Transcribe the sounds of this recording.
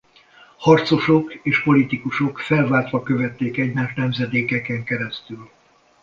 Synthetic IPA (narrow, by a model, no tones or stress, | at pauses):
hɒrt̪so̞ʃo̞keːʃpo̞lit̪ikuʃo̞kfɛlvaːrt̪ʋɒkø̞vɛt̪ːeːkɛɟmaːʃnɛmzɛd̪eːkɛkɛŋkɛɾɛst̪yl